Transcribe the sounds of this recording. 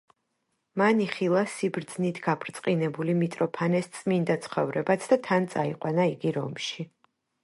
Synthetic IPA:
maniχilˠasibɾd̪znit̪ʰɡapʰɾt̪sʼqʼinɛbulimit̪ʼɾɔpʰanɛst̪sʼmind̪at̪sʰχɔvɾɛbat̪sʰd̪at̪ʰant̪sʼaiqʼwanaiɡiɾɔ̰mʃi

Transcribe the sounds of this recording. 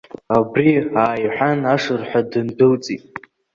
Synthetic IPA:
abriaːjħʷᶣanaʂɨrħʷᶣadɨndɨlt͡sʼitʼ

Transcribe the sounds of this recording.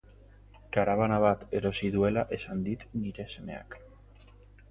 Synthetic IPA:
kaɾaβanaβ̞at̪e̞ɾo̞siðue̞laʔe̞sand̪it̪niɾe̞se̞me̞̰a̰k

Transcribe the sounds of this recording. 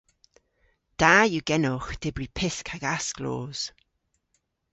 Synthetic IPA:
d̥aːjuɡ̥ɛnoːxd̥ɪbɹipʰɪskʰaɡasklo̰ːz̥

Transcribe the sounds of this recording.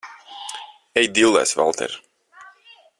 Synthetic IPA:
ɛjd̪ilˠɛ̰sva̰lˠt̪ʰɛ̰ɾ

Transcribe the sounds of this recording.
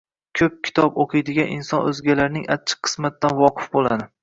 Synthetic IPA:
kʲʰɵp̚kʲʰɪ̥t̪ʰɒboqʰɨjd̪ɪɡʲaninsɒnɵzɡʲalaɾnɪŋʔat͡ʃʰːɪ̥qʰːɨ̥smat̪ːanvɒqʰɨ̥fbolˠad̪ɪ

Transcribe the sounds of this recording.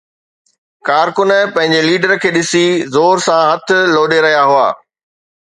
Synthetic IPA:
kaːɾkʊnəpɐ̃ɦɪ̃ɲd͡ʑeliːɖəɾkʰeːɗɪsizoːɾsãɦɐt̪ʰɪ̆loːɗeɾɐɦijaɦʊa̰ː

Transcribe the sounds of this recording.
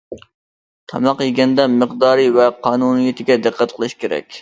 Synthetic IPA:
t̪ʰɑmɑqjeɡʲɛnd̪ɛməqd̪ɑːɾivɛqʰɑːnunijit̪ʰɪɡʲɛd̪ɨqʰːæt̪qʰəlˠɨʃkʲʰeɾɛ̰kʲ

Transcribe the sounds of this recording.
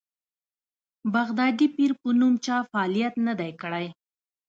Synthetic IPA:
baɣd̪ɑd̪ipiɾpənumt͡ʃɑfaːlijat̪nad̪ajkəɽaj

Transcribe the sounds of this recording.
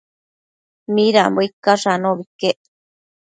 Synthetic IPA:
miɾamboikːaʂanoβikːeʔ

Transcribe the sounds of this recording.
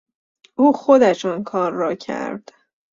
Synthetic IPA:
ʔuːxod̪æʃunkʰɒːɾːɒːcʰæ̰ɾd̪̥

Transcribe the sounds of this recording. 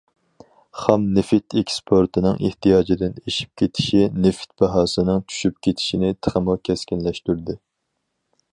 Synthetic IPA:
χɑmnɪfɪt̪ʰekʲspʰoɾt̪ʰɨnɨŋʔḛht̪ijɑːd͡ʒid̪ɪneʃi̥p̚kʲʰet̪ʰɪ̥ʃinɪfɪ̥t̪̚bɑɦɑːsɨnɨŋt͡ʃʰy̥ʃyp̚kʲʰet̪ʰɪ̥ʃinɪt̪ʰə̥χəmʊkʲʰɛskʲinlɛʃt̪yɾd̪ɪ

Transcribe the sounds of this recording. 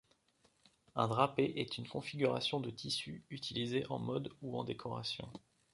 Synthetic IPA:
ɛ̃d̪ʁapeʔɛt̪ʰynkɔ̃fiɡʲyʁa̰sjɔ̃d̪ət̪ʰisyyt̪ʰilizeʔɑ̰̃mɔd̪uɑ̰̃d̪ekʰɔʁa̰sjɔ̰̃

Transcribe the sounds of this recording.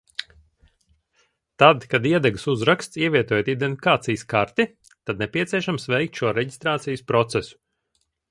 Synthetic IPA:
t̪ad̪kad̪iɛd̪ɛɡɨsuzɾakst̪siɛviɛt̪oɔjot̪id̪enifʲi̥kaːt̪sijskaɾt̪i | t̪ad̪̚nɛpʲiɛt̪siɛʃamsvɛjk̚t̪ʃuɔɾɛɟist̪ɾaːt̪sijspɾɔt̪sɛsu̥

